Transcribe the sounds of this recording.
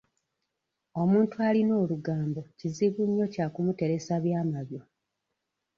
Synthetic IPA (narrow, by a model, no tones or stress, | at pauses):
o̞muːntualino̞ːluɡaːmbo̞ciziβuɲːo̞caːkumute̞ɾe̞saβjaːmaβjo̞